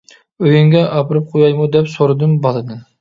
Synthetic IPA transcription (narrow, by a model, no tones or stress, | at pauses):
øjyŋɡʲɛʔɑpɨɾɨp̚qʰojɑjmud̪ɛpsoɾɨd̪ɨmbɑlˠɨd̪ɨn